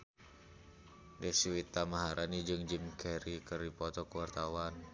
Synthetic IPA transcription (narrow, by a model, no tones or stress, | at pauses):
dɛsiwit̪amaɦaɾʔanid͡ʒɨŋd͡ʒimkʰɛɾikɨrdipɔt̪ɔkəwart̪awan